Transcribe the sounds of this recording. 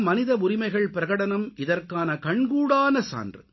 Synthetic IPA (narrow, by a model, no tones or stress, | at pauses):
mɐnɪðɐʊɾɪmɐɪɣɐɭpɪɾɐɣɐɽɐnɐmʔɪðɐrkaːnɐkɐɳɡuːɽaːnɐsa̰ːndrɯ